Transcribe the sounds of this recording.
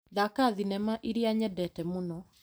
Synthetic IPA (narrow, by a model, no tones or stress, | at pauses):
ðakaðinɛmaʔiɾiaɲɛdɛtɛmonɔ